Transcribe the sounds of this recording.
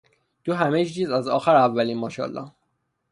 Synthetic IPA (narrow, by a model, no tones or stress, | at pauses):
d̪̥uɦæmed͡ʒd͡ʒiːzæzɒ̰ːxæɾævːæliːnmɒːʃɒ̰ːlːɒ̰